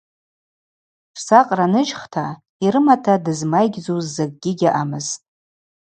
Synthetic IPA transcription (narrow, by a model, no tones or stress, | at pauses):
ʂsaqʼranɨt͡ʃχtʰa | iɾɨmatʰadɨzmajɡʲd͡zuzːaɡ̚ʼɡʲɪɡʲaʔamɨz̥tʼ